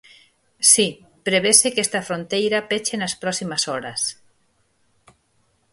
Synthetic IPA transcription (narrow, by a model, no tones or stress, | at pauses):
si | pɾeβ̞esekest̪afɾont̪ejɾapet͡ʃenaspɾɔsimasɔɾas